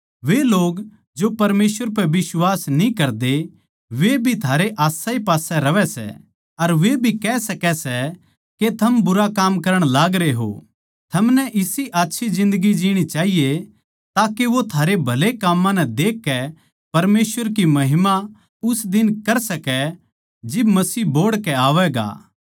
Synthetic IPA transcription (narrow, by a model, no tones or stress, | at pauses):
ʋeloːɡ | d͡ʒopɐɾmeːsʋəɾp̬ɛʋɪswaːsnĩkɐɾd̪e | ʋebʱit̪ʰaːɾeʔaːsaipaːsɛɾɐʋɛsɛ̰ | ɐɾʋebʱikɛsɐkɛsɛ | ket̪ʰɐmbʊɾakaːmkɐɾəɽ̃laːɡɾeɦo̰ː | t̪ʰɐmnɛʔɪsiʔaːtːʃʰid͡ʒɪ̃nd̪əɡid͡ʒiːɽ̃it͡ʃaːɦije | t̪aːkeʋot̪ʰaːɾebʱɐlekaːmːãnɛd̪eːkːɛ | pɐɾmeːsʋəɾkimɐɦɪma | ʊsd̪ɪnkɐɾsɐkɛ | d͡ʒɪbmɐsiːboːɽkɛaːʋɛɡa̰ː